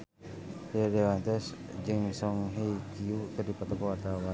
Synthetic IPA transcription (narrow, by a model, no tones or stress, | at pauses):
heɾewant̪ɛs | d͡ʒɨŋsɔŋɦeikiut̪ərdipat̪ɔkɔat̪awa